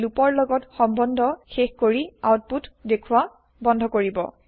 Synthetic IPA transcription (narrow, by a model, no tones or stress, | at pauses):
lupɔɹlɔɡɔtxɔmbɔndʱɔxexkoɹiawt̚putdekʰuwa | bɔndʱɔkoɹibɔ̰